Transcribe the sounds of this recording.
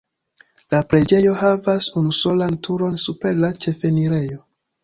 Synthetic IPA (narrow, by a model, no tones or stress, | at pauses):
lapɾe̞d͡ʒe̞jo̞havasunuso̞lantʰuɾo̞nsupe̞ɾlat͡ʃe̞fe̞niɾe̞jo̞